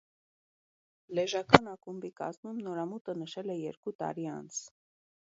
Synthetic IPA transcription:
lɛʒɑkɑnɑkumbikɑ̰zmumnɔɾɑmut̪ənəʃɛlɛjɛɾkut̪ɑ̰ɾiɑ̰nt͡sʰ

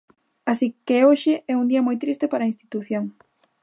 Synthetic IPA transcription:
asikeoʃɪʔɛund̪iɐmojt̪ɾist̪epaɾɐinst̪it̪uθjoŋ

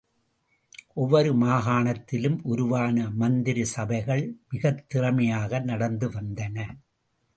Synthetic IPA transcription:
ʔɔʋːɐɾɯmaːɣaːɳɐt̪ːɪlɯmʔʊɾʊʋaːnɐmɐnd̪ɪɾisɐbɐɪɣɐɭmɪɣɐt̪ːɪrɐmɐjaːɣɐnɐɽɐnd̪ɯʋɐnd̪ɐnɐ

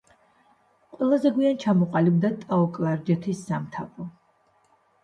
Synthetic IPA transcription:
qʼwɛlˠazɛɡwiant͡ʃʰamɔqʼalibd̪at̪ʼaɔkʼlˠaɾd͡ʒɛt̪ʰisːamt̪ʰapʰʼɔ

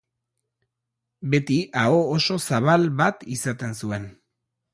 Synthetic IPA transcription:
be̞t̪iao̞ːso̞saβ̞alβat̪isat̪e̞nsue̞n

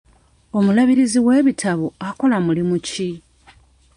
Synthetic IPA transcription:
o̞mulaβiɾiziwe̞ːβitʰaβoako̞lamulimuci

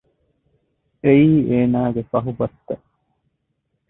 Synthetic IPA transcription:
ʔeiːeːnaːɡefɐɦubɐt̪ːɐ

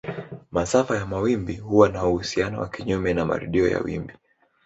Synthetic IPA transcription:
masafajamawimbihuwanauhusianɔ̰wa̰kiɲumɛnama̰ɾṵɗiɔja̰wḭmbi

